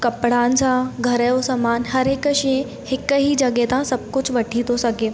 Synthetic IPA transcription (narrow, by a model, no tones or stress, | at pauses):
kɐpɽansaɡʱəɾəosəmaːnɦɐɾekəɕiẽ | hɪkəɦid͡ʒɐɡet̪ãsɐb̚kʊt͡ʃʋəʈʰit̪osɐɡe